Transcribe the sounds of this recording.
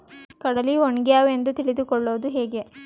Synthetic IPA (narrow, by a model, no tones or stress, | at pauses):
kɐɽɐlioɳɡjaːʋe̞nd̪ut̪iɭid̪ukɔɭːoːd̪uɦeːɡe̞